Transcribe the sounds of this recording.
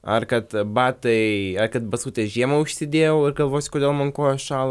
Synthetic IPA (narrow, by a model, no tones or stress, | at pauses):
ɐrkɐt̪bɑːt̪ɐɪɐrkɐt̪̚bɐsuːt̪ʲeʒʲiɛmɐʊʃʲsʲɪd̪ʲeːjɛʊɪrɡɐlˠʋoːsʲkoːd̪ʲeːlˠmɐnkoːjoʃɑːlˠɐ